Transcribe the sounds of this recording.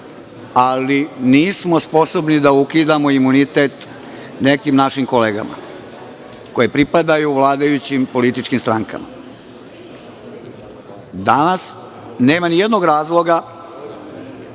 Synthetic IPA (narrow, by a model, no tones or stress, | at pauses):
aliniːsmo̞spo̞sobnid̪aukid̪amo̞imunit̪et̪ | ne̞kimnaʃimko̞leːɡa̰ma̰ | ko̞jepɾipad̪ajuːʋlˠaːd̪ajut͡ɕimpo̞lit̪it͡ʃkimst̪ɾaŋka̰ma̰ | d̪anas | ne̞ːmanijed̪noɡɾaːzlˠo̞ɡa